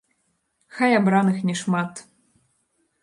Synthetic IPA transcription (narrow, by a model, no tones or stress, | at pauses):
xajabɾanɨxnʲɛʂmat̪